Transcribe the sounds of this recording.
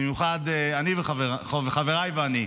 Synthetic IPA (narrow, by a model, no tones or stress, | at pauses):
emjuχadeaniveχaveχveχaveʁajveani